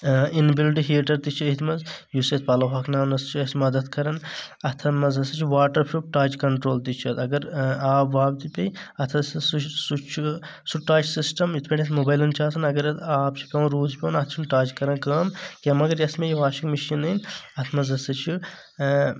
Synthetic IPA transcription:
inbilʈ̬iɦiʈɐɾt̪it͡ʃʰiɐit̪ʰmɐzjuset̪ʰpɐlɐɦaːknaːnɐst͡ʃʰiɐsmɐd̪ɐt̪kɐɾɐnɐt̪ʰɐmɐzɐsɐt͡ʃʰiʋaːʈɐɾpʰɾuʈaːt͡ʃkɐɳʈɾoːlt̪it͡ʃʰɐt̪ɐɡɐɾaːbʋaːb̚t̪ipʲɐjɐt̪ʰɐsssut͡ʃʰi | suʈaːt͡ʃsisʈɐmjit̪ʰpʰʲɐʈʲʰɐt̪ʰmobaːjlɐnt͡ʃʰaːsɐnɐɡɐɾɐt̪ʰaːp̚t͡ʃʰi̥pʲɐ̃ːɾuːzpʲoːnɐt̪ʰt͡ʃʰunʈaːt͡ʃkɐɾɐnkəːmkɐmɐɡɐɾjɐsmejiʋaːʃikmiʃinɐnɐt̪ʰmɐzɐsɐt͡ʃʰi

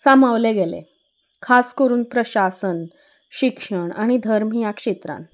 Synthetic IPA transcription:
samaʋleɡelḛ | kʰaskəɾuːnpɾəɕasən | ɕikʂəɳaɽ̃id̪ʱəɾm̤ijakʂet̪ɾã̰n

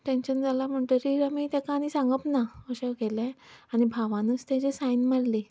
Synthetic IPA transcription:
ʈenɕənd͡zalam̤əɳt̪əɾiɾamit̪ɛkanisãŋɡəpnaəɕəʋkelãañibʱaʋanust̪ãt͡ɕesajnmaɽle

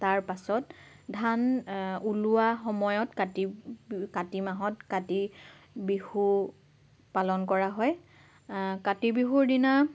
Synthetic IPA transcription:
taɹpasɔtdʱanuluwaxɔmɔjɔtkatikatimaɦɔtkati | bihu | palɔnkɔɹaɦɔj | katibiɦuɹdina

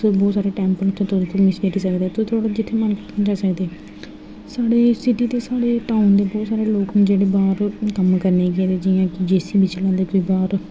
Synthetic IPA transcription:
bɔːt̪saːɾeːʈɛ̃ːmpəlt̪ʰeːt̪ʊ̃t̪omɪseʈiːsəkd̪eːt̪ʊt̪ʰʊaːɽad͡ʒɪt̪ʰːeːmən | d͡ʒaːsəkd̪eː | saːɽeːsɪʈiːt̪eːsaːɽeːʈaːʊnd̪eːbɔːt̪saːɾeːloːkːd͡ʒeːɽeːbaːɾkəmkəɾneːkeːd̪eːd͡ʒɪjãːkɪd͡ʒeːsiːbɪt͡ʃlɛ̃ːnd̪eːkoiːbaːɾ

